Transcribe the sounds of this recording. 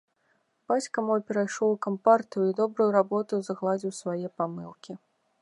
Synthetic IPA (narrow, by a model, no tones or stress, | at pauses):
b̥at͡sʲkɐmɔjpʲɛɾajʂˠɔwukampart̪ɨjuid̪ɔbɾujuɾabɔt̪ɨwzɐɣlˠad͡zʲiwsvajɛpamɨlˠkʲi